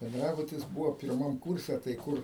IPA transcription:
bʲɛnˈdrɑːbʊtʲɪs ˈbuːʋoː pʲɪrˈmɐm ˈkuːrʲsʲɛ tɐɪ ˈkʊr

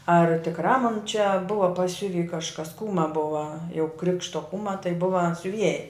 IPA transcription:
ɐr tʲɪkˈrɑː moːn t͡ʃʲɛ ˈbʊʋɐ pɐˈsʲʊʋʲiː kɐʃˈkɐs ˈkuːmɐ ˈbʊʋɐ jɛʊ ˈkrʲɪkʃtoː ˈkuːmɐ tɐɪ ˈbʊʋɐ sʲʊˈʋʲiɛjɛ

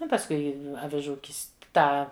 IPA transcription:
ˈnʊ pɐsˈkʊɪ ɐʋʲɪˈʒuː ˈkʲɪst ˈtɑː

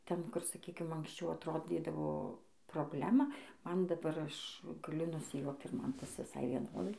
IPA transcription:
ˈtʲɛn ˈkʊr sɐˈkʲiːkʲɪm ɐŋksʲˈt͡ʃʲɛʊ ɐtˈroːdʲiːdɐʋoː proːˈbʲlʲæːmɐ ˈmɐn dɐˈbɐr ˈɐʃ ɡɐˈlʲʊ nʊsʲɪjuɔkt ɪr ˈmɐn ˈtɐs ʋʲɪˈsɐɪ ʋʲiɛˈnoːdɐɪ

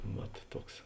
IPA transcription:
ˈʋɐt ˈtuɔks

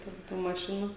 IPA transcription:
tʲɛn ˈtuː mɐˈʃʲɪnuː

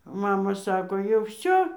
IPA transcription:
ˈmɑːmɐ ˈsɑːkoː jɛʊ ˈʋʲsʲoː

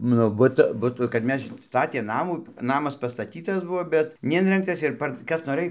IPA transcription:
ˈnʊ ˈbʊt ˈbʊtʊ kɐt ˈmʲɛs ˈstɑːtʲeː ˈnɑːmuː ˈnɑːmɐs pɐstɐˈtʲiːtɐs ˈbʊʋoː bʲɛt nʲɛˈɪnʲrʲɛŋktɐs ɪr ˈpɐr ˈkɐs noːˈrɘj

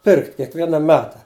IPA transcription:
ˈpʲɪrkt kʲiɛkˈʋʲiɛnɐ ˈmʲæːtɐ

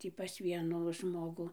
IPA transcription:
ˈtʲiː pɐs ˈʋʲiɛnuː ˈʒmoːɡʊ

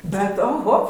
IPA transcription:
bʲɛt oːˈɣoː

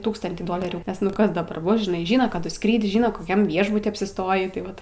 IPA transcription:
ˈtuːkstɐnʲtʲiː ˈdoːlʲɛrʲuː nʲɛs ˈnʊ ˈkɐs dɐˈbɐr ˈbʊs ʒʲɪˈnɐɪ ˈʒʲiːnɐ ˈkɑːdʊ ˈskrʲiːtʲ ˈʒʲiːnɐ koːˈkʲɛm ˈʋʲiɛʒbʊtʲiː ɐpʲsʲɪˈstoːjiː tɐɪ ˈʋɐt

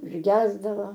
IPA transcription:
ʊʒʲˈɡʲæːzdɐʋoː

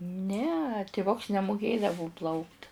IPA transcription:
nʲɛ tʲɪˈʋʊks nʲɛmʊˈkʲeːdɐʋʊ ˈplˠɐʊkt

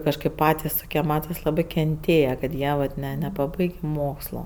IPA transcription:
kɐʃˈkɐɪp ˈpɑːtʲɪs ˈtoːkʲiɛ ˈmɑːtɐs ˈlˠɑːbɜ kʲɛnʲˈtʲeːjɛ kɐt ˈjiɛ ʋɐt ˈnʲɛ nʲɛpɐˈbɐɪɡʲeː ˈmoːkslˠoː

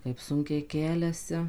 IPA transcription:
kɐɪp ˈsʊŋʲkʲɛɪ ˈkʲæːlʲɛsʲɪ

